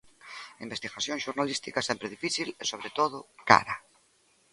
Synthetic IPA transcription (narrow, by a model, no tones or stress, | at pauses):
imbest̪iɣaθjõŋʃuɾnalist̪ikasɛmpɾeðifiθilesoβ̞ɾet̪oðʊka̰ɾa